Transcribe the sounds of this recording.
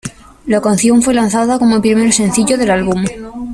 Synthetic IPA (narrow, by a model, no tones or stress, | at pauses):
lakanθjo̞ɱfwe̞lanθaðako̞mopɾimeɾose̞n̟θiʝoðe̞lalβum